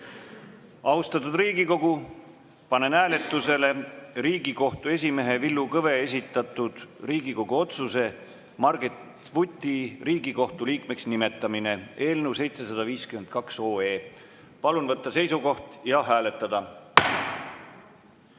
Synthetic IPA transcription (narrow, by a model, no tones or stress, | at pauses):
ɑust̪ɑt̪ːˑud̪riːɡiko̞ɡ̥u | pɑne̞næːle̞t̪ːˑuse̞le̞ɾiːɡ̥iko̞ht̪ue̞s̬ʲime̞ɦe̞vilːukɤve̞es̬ʲit̪ːˑɑt̪ːˑud̪̥riːɡiko̞ɡ̥uo̞t̪suse̞ | mɑrɡet̪ | vut̪ʲːiriːɡiko̞ht̪uliːkmeksnime̞t̪ːˑɑmine̞e̞ːlnewse̞jt̪se̞sɑd̪ɑviːskymend̪̥̚kɑkso̞ːe̞ː | pɑlunvɤt̪ːɑse̞jsuko̞ht̪jɑɦæːle̞t̪ːˑɑd̪̥ɑ